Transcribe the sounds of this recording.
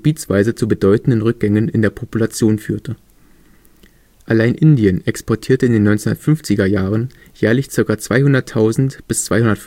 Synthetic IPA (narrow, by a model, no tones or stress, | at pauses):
b̥iːt͡sv̥aɪzət͡subədɔʏtn̩dənʁʏk̚ɡ̥ɛŋənɪndeːɐpʰopulat͡sjoːnfy̰ːɐtə | ʔalaɪnʔɪndiənɛkspʰɔɐtʰiːɐtəɪndeːnːɔʏnt͡sendɐtfʏnft͡sɪɡɐjaːʁ̞ən | jɛːɐlɪçt͡sɪɐkɐt͡sv̥aɪhʊndɐtʰaʊzn̩tb̥ɪst͡sv̥aɪhʊndɐt